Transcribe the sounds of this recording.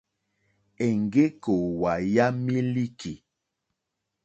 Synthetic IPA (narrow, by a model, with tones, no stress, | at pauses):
e˨ŋ˨ɡe˦ko˨wa˨ja˦mi˦li˦ki˨